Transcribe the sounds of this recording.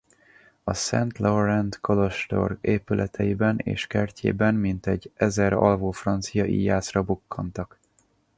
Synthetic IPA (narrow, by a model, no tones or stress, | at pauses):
ɒsɛnt̪loɾɛnt̪koloʃt̪o̰rɡeːpylʔɛt̪ʰɛjibɛnḛːʃkɛrcʰḛːbɛnmint̪ɛɟːɛzɛɾɒ̰lvoːfrɒnt̪sijɒʔḭjaːsrɒbukːɒnt̪ɒk